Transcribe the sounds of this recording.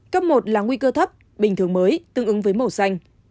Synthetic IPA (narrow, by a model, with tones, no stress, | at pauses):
kə˦˥p̚mo˨˩t̚laː˨˩ŋwi˧kəː˧t̪ʰə˦˥p̚ | ɓï˨˩ŋ̟t̪ʰɨ˨˩əŋməː˨˦jt̪ɨ˧ŋʔɨ˨˦ŋvəː˨˦jmo˧˩sa˧jŋ̟